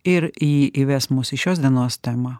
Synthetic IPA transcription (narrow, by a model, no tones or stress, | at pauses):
ɪɾjiːʔiʋʲæːsmusɪʃʲoːsd̪ʲiɛnoːst̪ʲɛmaː